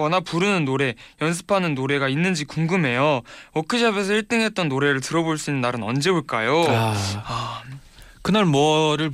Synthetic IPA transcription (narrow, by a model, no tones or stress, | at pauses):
ʌnapuɾɯnɯnːoɾe̞jʌns̬ʰɯ̥pʰanɯnːoɾe̞ɡainːɯnd͡ʑikuŋɡɯme̞jookʰɯd͡ʑabes̬ʰʌiɭt͈ɯŋɦe̞t̚t͈ʌnːoɾe̞ɾɯɭtɯɾʌboɭs͈uinːɯnːaɾɯnʌnd͡ʑe̞uɭk͈ajo | a | kɯnaɭmwʌɾɯɭ